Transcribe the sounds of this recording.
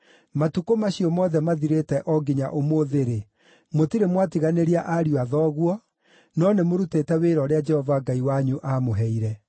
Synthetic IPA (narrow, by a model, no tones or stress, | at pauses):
matukomaɕiɔmɔðɛmaðiɾetɛʔɔɡiɲa̰ʔomoðeɾe | motiɾemwatiɣaneɾiaʔaɾjwaðɔːɣwɔ | nɔnemoɾutetɛweɾɔɾead͡ʒɛhɔvaɡaiwaɲuʔamoɦɛiɾɛ